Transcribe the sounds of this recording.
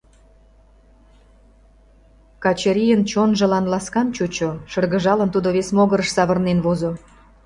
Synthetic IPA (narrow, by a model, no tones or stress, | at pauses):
kɑt͡ɕəɾʲijənt͡ɕonʒə̆lɑnlɑskɑnt͡ɕut͡ɕoʃərɣə̆ʒɑlənt̪ud̪oβesmoɣəɾəʃsɑβərnenβozo